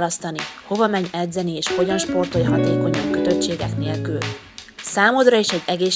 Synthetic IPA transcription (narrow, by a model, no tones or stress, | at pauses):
lɒst̪ɒniho̞vɒmɛɲɛd̪zɛnieːʃho̞ɟɒnʃpo̞rt̪o̞jɦɒt̪eːko̞ɲɒŋkøt̪ø̞tt͡ʃeːɡɛkneːlkyl | saːmo̞d̪rɒeːʃɛɟːɛɡeːʃ